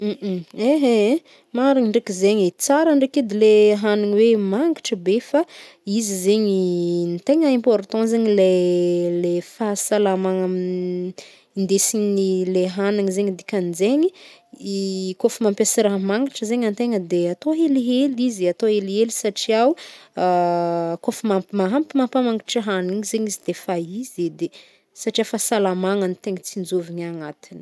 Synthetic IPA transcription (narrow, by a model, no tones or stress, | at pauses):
eɦe | maɾiɲiɳɖ͡ʐekizeɲit͡saɾəɳɖ͡ʐekid̪ileɦaniɲiwemaŋɡaʈ͡ʂəbefa | izizeɲint̪eŋəɛ̃mpɔɾt̪ɑ̃zeɲilelefasalamaŋami | ind̪esiɲinileɦaniŋizeɲid̪ikʲanzeɲiikofumampʲasiɾaɦmaŋiʈ͡ʂəzeɲant̪eŋəd̪eat̪oɦeliɦelizat̪oelielisaʈ͡ʂiawakofumamaɦampimampamaŋi̥ʈ͡ʂəɦaniɲizeɲizid̪efaized̪e | saʈ͡ʂiafasalamaŋanit̪eŋit͡sind͡zoviɲaŋat̪inə̥